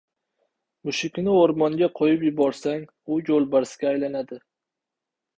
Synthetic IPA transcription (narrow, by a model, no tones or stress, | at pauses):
mʊʃɪkʲnɪoɾmɒŋɡʲaqʰojɪpjʊbɒɾsaŋ | ʊjolˠbaɾsɡʲaːjlanad̪ɪ